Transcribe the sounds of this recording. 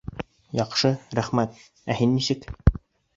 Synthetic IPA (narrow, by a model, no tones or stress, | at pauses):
jɑqʃɤɾæχmæt̪̚ | æhinːisɘk